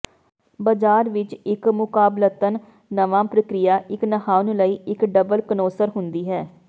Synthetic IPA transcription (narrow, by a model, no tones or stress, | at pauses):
bəd͡ʒaːɾʋɪt͡ʃɪkmʊkaːblət̪ənː | əʋãːpɾəkɾɪjaːʔɪknəhaːʋnũləiːɪkɖəbəlkənoːsəɾɦʊnd̪iːɦɛː